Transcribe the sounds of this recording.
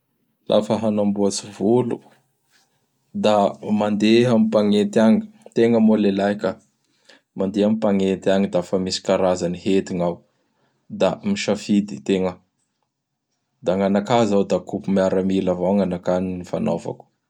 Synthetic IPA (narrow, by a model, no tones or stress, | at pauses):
lʔa̰fəɦanambuat͡sivulu | d̪amand̪eɦamipaŋent̪aŋit̪eŋəmolelajka | mand̪eɦamipaŋent̪iaŋid̪afamisi̥kaɾazanihet̪iŋaw | d̪amiʃafid̪it̪eŋə | d̪aŋanakazawd̪akupumiaɾamilavawŋanakaninifano̰va̰ku̥